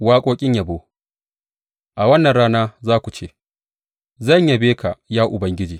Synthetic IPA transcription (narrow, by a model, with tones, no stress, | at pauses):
waː˦kʷʼoː˦kʲʼɪ˦ɲja˨boː˦ | ʔa˨wɐ˦nːɐ˨nɽaː˦naː˦zaː˦kʷu˨t͡ʃeː˦ | zɐ˦˨ɲja˨beː˦kʰa˨jaː˦ʔʊ˨bɐ˦ŋɡʲɪ˦d͡ʒiː˨